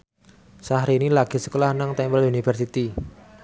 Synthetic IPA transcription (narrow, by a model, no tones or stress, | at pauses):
saɦɾinilaɡ̥i̤sə̥kəlahnaŋt̪ɛmbəlunifərsit̪i